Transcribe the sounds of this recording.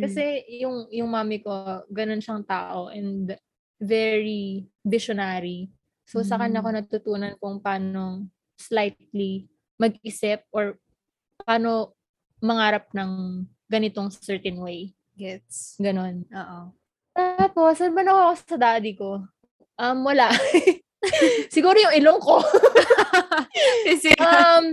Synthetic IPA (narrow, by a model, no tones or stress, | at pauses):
kɐsɛjʊŋjʊŋmaːmɪko̞ɡɐno̞nʃɐŋt̪a̰ːʔo̞ʔɛnd̪ | vɛɹivɪʃonaːɾi | sosɐkɐnɐko̞nɐt̪ʊt̪uːnɐnkʊŋpaːno̞ŋ | slajt̪̚li | mɐɡɪsɪp̚ʔoɹ | paːno̞ | mɐŋaːɾɐp̚nɐŋ | ɡ̥ɐnɪt̪o̞ŋssɛɹt̪ɛnwej | ɡɛt̪sɡɐno̞nʔoːʔo | t̪aːpo̞sɐnbɐnɐkoʔɐkosɐd̪aːd̪ɪko̞ | ʔɐmwɐlaʔ | sɪɡuːɾojʊŋɪloŋko̞ | sɐm